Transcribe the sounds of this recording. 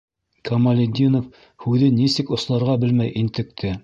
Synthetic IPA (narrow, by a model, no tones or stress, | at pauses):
kɐmɐlʲɪd̪ʲinof | hʉðɘnisɘkŏslˠɑɾʁɑbɘlmæjʔint̪ɘ̆k̚t̪ʰɘ